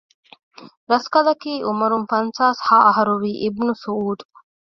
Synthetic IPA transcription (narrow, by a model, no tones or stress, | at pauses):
ɾɐskɐlɐkiːʔumɐɾumfɐnsaːshaːʔɐɦɐɾuɾiːʔibnusuuːd̪